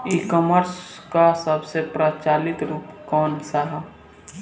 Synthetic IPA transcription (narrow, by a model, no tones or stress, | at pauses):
iːkɔːməɾskasəbsepɾat͡ʃaːlɪt̪ɾuːpkɔːnsaɦa